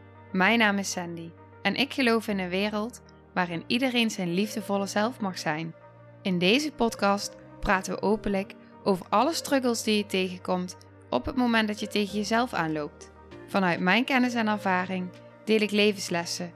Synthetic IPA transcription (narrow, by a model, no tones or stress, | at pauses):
mɛjnaːmɪsɛndi | ɛnʔɪkχəlowfɪnənʋɪːrəlˠt | ʋaːrɪnidərejnzɛjnlivdəvɔlˠəzɛlˠfmɑχsɛjn | ɪndejzəpɔtkɑst | praːtəʋə̰ʔowpənlək | owvəɹʔɑləstrɵɡəlˠzdijətejɣəkɔmt | ʔɔ̰pɦətmowmɛntdɑtjətejɣəjəzɛlˠfa̰ːnlowp̚t | v̥ɑnœɥtmɛjnkɛnɪs̬ɛnɛɹvaːrɪŋ | d̥ɪːlɪklejvənslɛsə